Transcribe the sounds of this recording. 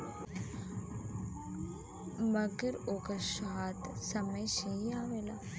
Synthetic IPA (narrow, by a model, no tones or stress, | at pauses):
mɐɡəɾoːkəʃaːt̪sɐməjʃejaːʋela